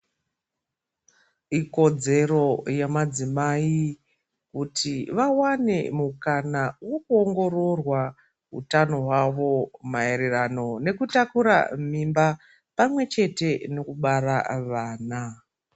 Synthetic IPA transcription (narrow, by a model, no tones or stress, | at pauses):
iko̞d͡ze̞ro̞jamad͡zimai | kutʰiʋawane̞mukanawo̞kuoŋɡo̞ro̞rwa | ɦṵtano̞ɦwaʋo̞maeɾerano̞ne̞kutakuɾa̰mimba | pamwe̞t͡ʃe̞te̞no̞kuɓaɾaʋaːna